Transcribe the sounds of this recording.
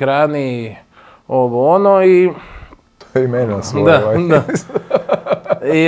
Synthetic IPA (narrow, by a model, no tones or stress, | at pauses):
ɾani | oʋoonoi | t̪oimenasd̪aad̪a | i